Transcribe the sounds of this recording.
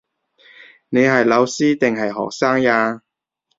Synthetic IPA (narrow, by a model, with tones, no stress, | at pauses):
ne˨˧jɦɐ˨jlɐ˨˧wsiː˥t̪ɪ˨˩ŋɦɐ˨jɦɔ̰ː˨k̚saː˥ŋjaː˧